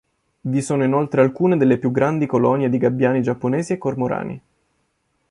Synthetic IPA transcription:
visoːnoinolt̪ɾealkuːned̪elːepjuɡːɾand̪ikolɔnjed̪iɡabːjaːnid͡ʒapːoneːziekːormoɾa̰ːnḭ

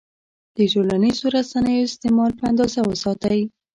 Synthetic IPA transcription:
d̪̥əʈolanizoɾasanəjoɪst̪emɑlpəand̪ɑzawəsɑt̪aji

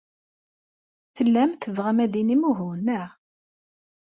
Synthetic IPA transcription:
θəlːæmθəvʁæmæd̪inimuɦunːəʁ

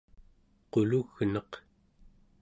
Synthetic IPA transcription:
qoluɣnʌq

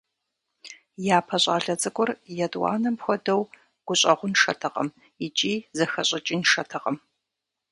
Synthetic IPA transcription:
jaːpʰɐɕʼa̰ːɮɐt͡sʼɨɡʷɔrjɛdʼwɑ̰ːnɐmpxʷɔdɐw | ɡ̥ʷʊɕʼɐʁʷʊnʂɐ̰tʰɐqʼɐ̰m | it͡ʃʼiːzɐxɐɕʼɪt͡ʃʼiːnʂɐtʰɐqɐm

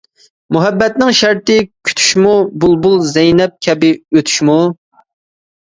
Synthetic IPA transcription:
muɦɛbːɛt̪nɪŋʃæɾt̪ɪkʲʰy̥t̪ʰy̥ʃmubulˠbulˠzɛjnɛp̚kʲʰɛbɪøt̪ʰy̥ʃmu

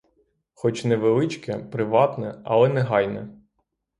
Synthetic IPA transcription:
xɔt͡ʃnɛʋelˠɪt͡ʃkɛpɾɪʋɑt̪nɛɐ̰lˠɛnɛɦɑjnɛ

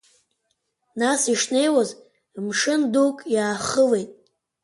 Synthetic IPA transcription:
nasiʂne̞jwaz | mʂɨndukʼjaːχəle̞jtʼ

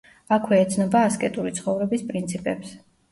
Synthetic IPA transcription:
akʰwɛːt̪sʰnɔbaːskʼɛt̪ʼuɾit̪sʰχɔvɾɛbispʼɾint̪sʰipʼɛps

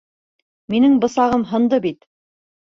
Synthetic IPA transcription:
minɘŋbɤ̆sɑʁɤmɦɤ̆nd̪ɤbit̪

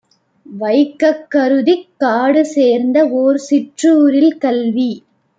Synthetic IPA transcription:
ʋɐɪkːɐkːɐɾɯðɪkːaːɽɯseːɾnd̪ɐoːɾsɪʈruɾɪlkɐlʋi

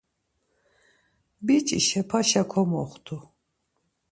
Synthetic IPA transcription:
bit͡ʃʼḭʃɛpʰaʃakʰɔmɔχt̪ʰu

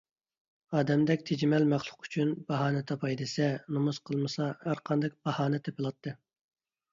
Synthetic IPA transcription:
ɑːd̪ɛmd̪ɛkʲt̪ʰed͡ʒimɛlmæχlˠʊ̥qy̥t͡ʃʰynbɑɦɑːnɨt̪ʰɑpʰɑjd̪ɨsɛnomuz̥qʰəlˠmɨsɑhæɾqʰɑnd̪ɨk̚ʲbɑhɑːnɨt̪ʰepɨlˠɑt̪ʰːɨ

